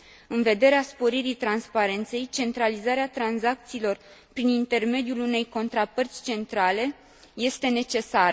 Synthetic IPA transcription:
ɨnve̞d̪e̞ɾeaspo̞ɾiɾit̪ɾanspaɾe̞nt̪se̞jt͡ʃe̞nt̪ɾalizaɾeat̪ɾanzak̚t̪siːlo̞r | pɾinint̪e̞rme̞d̪julune̞jko̞nt̪ɾapərt̪sʲt͡ʃe̞nt̪ɾale̞ | je̞st̪e̞ne̞t͡ʃe̞saɾə

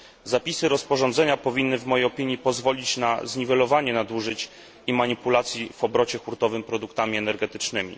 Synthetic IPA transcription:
zapʲisɘɾɔspɔʐɔ̃nd̪zɛɲapɔvʲinːɘvmɔjejɔpʲiɲːipɔzvɔlʲit͡ɕnazɲivɛlɔvaɲɛnad̪wuʐɘt͡ɕ | imaɲipulat̪sʲjivɔbɾɔt͡ɕɛxuɾt̪ɔvɘmpɾɔd̪ukt̪amʲiɛnɛɾɡɛt̪ɘt͡ʂnɘmʲḭ

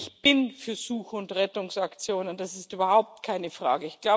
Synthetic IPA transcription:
çb̥ɪnfyːɐz̥uːxʊntʁɛtʊŋsakt͡sjoːnənd̥asɪstʔyːbɐhaʊp̚tkʰaɪnəfʁ̥a̰ːɡəɪçɡ̥laʊ

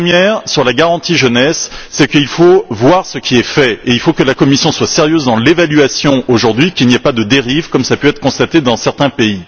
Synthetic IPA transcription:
mjɛːʁsyʁlaɡaʁɑ̃t̪iʒənɛsːɛkilfovwaʁsəkʲʰiɛfɛeilfokəlakɔmisjɔ̃swaseʁjøzd̪ɑ̃levalyasjɔ̃oʒuʁd̪ɥikʲilniɛpad̪əd̪eʁivkɔmsapøɛt̪χə̥kɔ̃st̪at̪ed̪ɑ̃sɛʁt̪ɛ̃pei

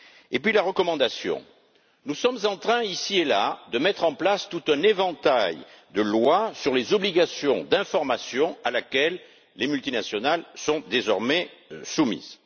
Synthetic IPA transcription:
epɥilaʁəkɔmɑ̃d̪asjɔ̰̃ | nusɔmzɑ̃t̪χɛ̃isielad̪əmɛt̪χɑ̃plast̪ut̪ɛ̃nevɑ̃t̪aj | d̪əlwasyʁlezɔbliɡasjɔ̃d̪ɛ̃fɔʁmasjɔ̃alakɛlː | emylt̪inasjɔnalsɔ̃d̪ezɔʁmɛsumḭz

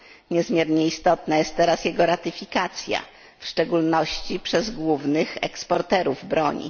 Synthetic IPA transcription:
ɲɛzmʲjɛɾɲɛist̪ɔt̪najɛst̪̚ːɛɾasjɛɡɔɾat̪ɘfʲikat̪sʲja̰ | fʂt͡ʂɛɡulnɔɕt͡ɕipʂɛzɡwuvnɘxɛ̰kspɔɾt̪ɛɾuvbɾɔɲḭ

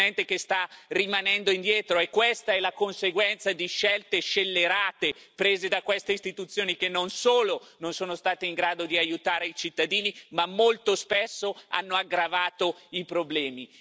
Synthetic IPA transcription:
ɛnt̪ekest̪arimanɛnd̪oind̪jɛːt̪ɾoɛkːwest̪aɛlakonseɡwɛnt̪sad̪iʃɛlt̪eʃelːeɾaːt̪e | pɾeːzed̪akwest̪eist̪it̪ut̪sːjoːnikenːonsoːlononsoːnost̪aːt̪eiŋɡɾaːd̪od̪iajut̪aːɾeit͡ʃit̪ːad̪iːnimamːolt̪ospɛsːoa̰nːoaɡɾavaːt̪oipɾoblɛːmi

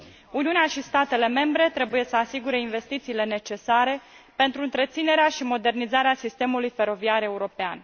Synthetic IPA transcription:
uniuneaʃist̪at̪e̞le̞me̞mbɾe̞t̪ɾe̞buje̞səasiɡuɾe̞inve̞st̪it̪siːle̞ne̞t͡ʃe̞saɾe̞ | pe̞nt̪ɾuɨnt̪ɾe̞t̪sine̞ɾeaʃimo̞d̪e̞rnizaɾeasist̪e̞mulujfe̞ɾo̞viaɾe̞uɾo̞pea̰n

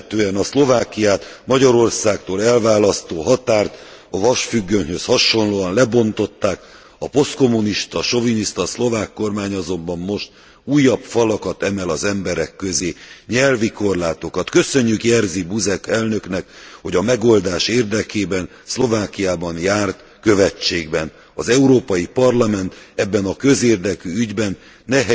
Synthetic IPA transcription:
t̪øːɛnɒslo̞vaːkijaːt̪mɒɟɒɾo̞rsaːk̚t̪oːlɛlvaːlɒst̪oːɦɒt̪aːrt̪ | ɒvɒʃfyɡːønhøshɒʃo̞nloːɒnlɛbo̞nt̪o̞t̪ːaːk | ɒpo̞st̪ko̞muniʃt̪ɒʃo̞viniʃt̪ɒslo̞vaːkːo̞rmaːɲɒzo̞mbɒmːo̞ʃt̪ | uːjːɒpfɒlɒkɒt̪ɛmɛlɒzɛmbɛɾɛkːøzeːɲɛlviko̞rlaːt̪o̞kɒt̪kø̞sø̞ɲːykjɛrzibuzɛkɛlnø̞knɛkho̞ɟɒmɛɡo̞ld̪aːʃeːrd̪ɛkeːbɛn | slo̞vaːkijaːbɒnjaːrt̪ | kø̞vɛt͡ʃːeːɡbɛn | ɒzɛuɾoːpɒjipɒrlɒmɛnt̪ɛbːɛnɒkø̞zeːrd̪ɛkyyɟbɛnː | ɛɦ

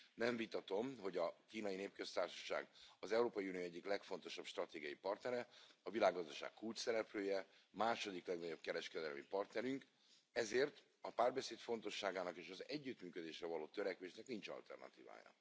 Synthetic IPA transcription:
nɛɱvit̪ɒt̪o̞mɦo̞ɟɒkiːnɒjineːp̚kø̞st̪aːrʃɒ̥ʃa̰ːɡɒzɛuɾoːpɒjiunijoːɛɟːiklɛkfo̞nt̪o̞ʃɒbʃt̪rɒt̪eːɡiɒipɒrt̪nɛɾɛɒvilaːɡːɒzd̪ɒʃa̰ːkkult͡ʃsɛɾɛpløːjɛmaːʃo̞d̪iklɛɡnɒɟo̞b̚kɛɾɛʃkɛd̪ɛlmipɒrt̪nɛɾyŋk | ɛzeːrt̪ | ɒpaːrbɛseːt̪fo̞nt̪o̞ʃːaːɡaːnɒkeːʃɒzɛɟːyt̪myːkød̪eːʃrɛvɒloːt̪øɾɛkʋeːʃnɛkniɲt͡ʃɒ̰lt̪ɛ̰rnɒ̰t̪ḭːva̰ːjɒ̰

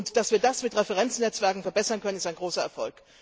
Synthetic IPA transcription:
ntd̥asv̥iːɐdasmɪtʁɛfɛʁɛnt͡snɛt͡sv̥ɛɐkŋ̩fɛɐbɛsɐnkʰœnənɪstaɪnɡʁoːsɐɛɐfɔ̰lk

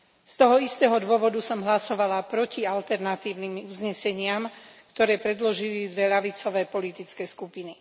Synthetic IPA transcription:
st̪ɔɦɔist̪ɛːɦɔd̪ʊɔʋɔd̪usɔmɦlasɔʋalapɾɔcialt̪ɛɾnat̪iːʊnimuzɲɛsɛɲɪamkt̪ɔɾɛːpɾɛd̪lɔʒilid̪ʋɛʎaʋit͡sɔʋɛːpɔlit̪it͡skɛːskupini

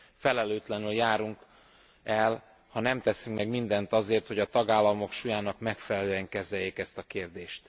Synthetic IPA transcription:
fɛlɛløːt̪lɛnyljaːɾuŋk | ɛl | hɒnɛmt̪ɛsyŋkmɛɡmind̪ɛnt̪ɒzeːrt̪ho̞ɟɒt̪ɒɡaːlːɒmo̞kʃujaːnɒkmɛkfɛlɛløːɛŋkɛzɛjeːkɛst̪ɒkeːrd̪eːʃt̪

